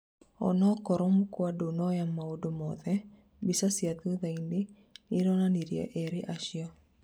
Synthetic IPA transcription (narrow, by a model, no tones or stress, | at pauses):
ɔ̰nɔkɔɾɔmukwadonɔjamaodomɔðɛ | bɪsasjat̪uðaindɪ | niɾɔnaniɾja̰ʔeɾɪʔaʃjɔ